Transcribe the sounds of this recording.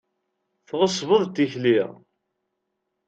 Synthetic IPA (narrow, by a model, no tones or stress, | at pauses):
θʁəsˤvəðˤt̪ːiçliʁ